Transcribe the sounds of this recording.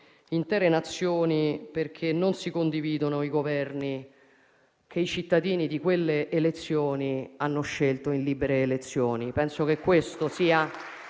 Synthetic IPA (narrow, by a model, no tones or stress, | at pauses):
int̪ɛːɾenat̪sːjoːniperkʰenːonsikond̪iviːd̪onoiɡovɛrni | kʰeit͡ʃit̪ːad̪iːnid̪ikwelːeʔːlet̪sːjoːnianːoʃːelt̪oinliːbeɾeːlet̪sːjoːnipɛnsok̟ekːwest̪osiːa